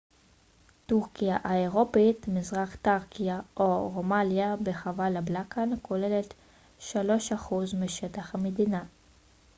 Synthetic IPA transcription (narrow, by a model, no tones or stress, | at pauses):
tuʁkijaʔaeʁopitmizʁaχtaʁkijaʔoʁomanjabeχavalablakʰankʰo̞le̞le̞t | ʃalo̞ʃaχuzmiʃetaχhamedina